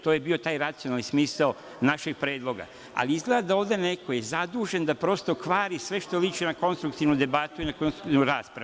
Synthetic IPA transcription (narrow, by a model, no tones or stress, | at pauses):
t̪oje̞bio̞t̪aːjɾat̪sio̞nalnismiːsal | naʃe̞ɡ̥̚pɾe̞ːd̪lˠo̞ɡa̰ | a̰liizɡle̞d̪ad̪aoːʋd̪e̞ne̞ko̞je̞zad̪uːʒe̞nd̪apɾo̞st̪o̞kʋaːɾisʋe̞ʃt̪olit͡ʃinako̞nst̪ɾuk̚t̪iʋnud̪ebat̪uinakonst̪ɾu̥kt̪inuɾaːspɾau